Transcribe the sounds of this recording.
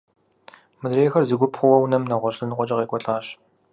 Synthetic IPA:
mɨdreːxɐrzɨɡʷʊpχʷʊwɐwnɐmnɐʁʷɔɕʼɨnɨqʷʼɔt͡ʃʼɐqeːkʷʼɔɬʼaːɕ

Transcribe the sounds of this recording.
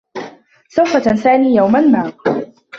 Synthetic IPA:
sawfat̪ansaːniːjawmanmaː

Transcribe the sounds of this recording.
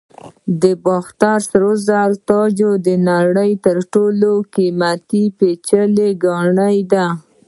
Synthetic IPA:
d̪əbɑxt̪aɾsɾozalt̪ɑd͡ʒod̪ənaɽəjt̪əɾʈolokimat̪ipet͡ʃəleɡɑɳəjd̪a

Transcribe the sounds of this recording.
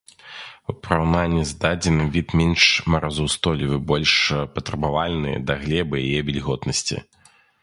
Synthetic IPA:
upɾawnanʲːizd̪ad͡zʲinɨvʲit̪mʲɛnʂmɐɾʔazɔwst̪ɔlʲivɨbɔlʲʂpɐt̪ɾɐbavalʲnɨ̰jɐ̰d̪ɐɣlʲɛbɨjajɛvʲɛlʲɣɔt̪nɐsʲt͡sʲḭ

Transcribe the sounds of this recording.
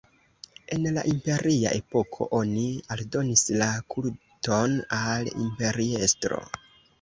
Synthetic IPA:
e̞nlaʔimpe̞ɾia̰ʔe̞po̞kʰo̞̰ʔonialdo̞nislakul | to̞nalḭmpe̞ɾiestɾo̞̰

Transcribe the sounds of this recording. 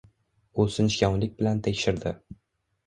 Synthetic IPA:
ʊsɪnʃkʲɒŋlɪk̚ʲbɪlant̪ʰekʲʃɪɾd̪ɪ

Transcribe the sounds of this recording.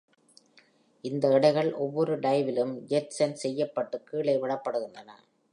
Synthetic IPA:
ɪnd̪ɐɪɽɐɪɣɐɭʔɔʋːɔɾɯɖɐɪʋɪlɯmd͡ʒɛʈsɐnsɛjːɐpːɐʈːɯkːiːɭɐɪʋɪɭɐpːɐɽɯɣɯnd̪ɐnɐ̰

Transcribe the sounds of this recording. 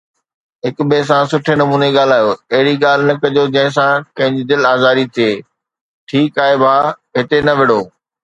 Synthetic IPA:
ɦɪkbeːs̬ãsʊʈʰenɐmuːneɠaːl̤aːjoːɐɦɪɽiɠaːl̤ɪnɐkɐʄod͡ʑɐ̃ɦɪ̃s̬ãkɐ̃ɦɪ̃ɲd͡ʑid̪ɪlaːzaːɾit̪ʰieː | ʈʰiːkaːɦebʱaː | ɦɪt̪enɐʋɪɽ̤oː

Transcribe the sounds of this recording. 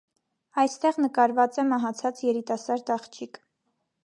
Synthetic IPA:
ɑjst̪ɛʁnəkɑɾvɑt͡sɛmɑɦɑt͡sʰɑt͡sjɛɾit̪ɑsɑɾd̪ɑχt͡ʃʰik

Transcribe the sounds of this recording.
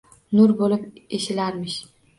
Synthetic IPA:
nʊɾbolɪpeʃɪlaɾmɪʃ

